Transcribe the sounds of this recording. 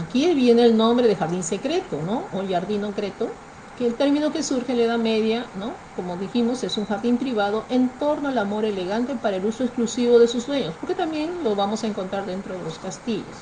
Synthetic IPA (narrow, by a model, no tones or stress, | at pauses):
akiβje̞ne̞ːlnõ̞mbɾe̞ðexaɾðinse̞kɾe̞t̪o̞no̞oʝaɾðinokɾe̞t̪o | keːlt̪e̞ɾmĩno̞ke̞suɾxeleðame̞ðjanoko̞moðiximo̞se̞suŋxaɾðimpɾiβaðo̞ʔe̞nt̪o̞ɾnoalamo̞ɾe̞le̞ɣant̪e̞paɾaeluso̞eksklusiβo̞ðesuzdwe̞ɲo̞spo̞ɾke̞t̪ambje̞nlozβamo̞sae̞ŋkont̪ɾaɾðe̞nt̪ɾo̞ð̞eloskast̪iʝo̰s